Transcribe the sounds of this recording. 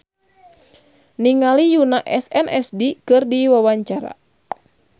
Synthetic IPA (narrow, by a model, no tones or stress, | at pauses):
niŋalijunaʔɛsɛnʔɛsdikɨrdiwawaɲt͡ʃaɾa̰